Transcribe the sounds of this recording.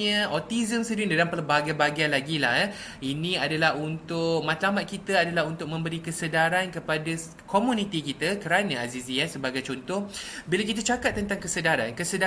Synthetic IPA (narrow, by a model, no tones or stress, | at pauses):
ə̃ɔt̪izəmsədindalampələbaɡajbaɡianlaɡilah | inĩadalaɦunt̪ʊk̚mãt̪lamat̪̚kit̪əadalaɦunt̪ʊk̚mə̃mbəɾikəsədaɾankəpada | komũnit̪ikit̪akəɾanãaziziansəbaɡajt͡ʃɔnt̪ʊhbilakit̪at͡ʃakat̪̚ːənt̪aŋkəsədaɾankəsəda